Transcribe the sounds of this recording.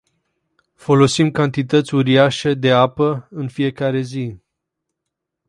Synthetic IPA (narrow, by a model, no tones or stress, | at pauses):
fo̞lo̞simkant̪it̪ət̪sʲuɾiaʃed̪e̞apəɨnfije̞kaɾe̞zi